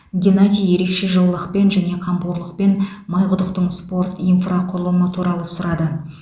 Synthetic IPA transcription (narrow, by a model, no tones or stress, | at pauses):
ɡʲenad̪ʲijje̞ɾe̞kʃe̞ʒəllˠəqpe̞nʒæne̞qʰɑmpuɾlˠəq̚pe̞n | mɑjʁʊd̪əqt̪əɴspo̞rt̪ijnfraqʰʊɾəlˠənət̪ʰuɾɑlˠəsʊɾɑd̪ə